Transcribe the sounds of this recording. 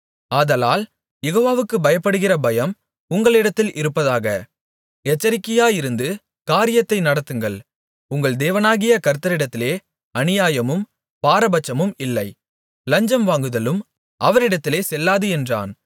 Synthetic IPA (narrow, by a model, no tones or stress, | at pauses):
aːðɐlaːl | jɛɣoːʋaːʋɯkːɯbɐjɐpːɐɽɯɣɪrɐbɐjɐm | ʊŋɡɐɭɪɽɐt̪ːɪlʔɪɾɯpːɐðaːɣɐ | ɛt͡ʃːɐɾɪkːɪjaːɪɾɯnd̪ɯ | kaːɾɪjɐt̪ːɐɪnɐɽɐt̪ːɯŋɡɐɭ | ʊŋɡɐɭd̪eːʋɐnaːɣɪjɐkɐɾɯt̪ːɐɾɪɽɐt̪ːɪleː | ɐnɪjaːjɐmɯm | paːɾɐbɐt͡ʃːɐmɯmɪlːɐɪ | lɐɲd͡ʒɐmʋaːŋɡɯðɐlɯm | ʔɐʋɐɾɪɽɐt̪ːɪleːsɛlːaːðɯɛndra̰ːn